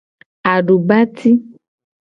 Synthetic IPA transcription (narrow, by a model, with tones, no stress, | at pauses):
a˨ɖu˨ba˦t̪ʰi˦